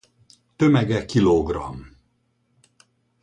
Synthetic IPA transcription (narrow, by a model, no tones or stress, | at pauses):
t̪ømɛɡɛkiloɡrɒ̰m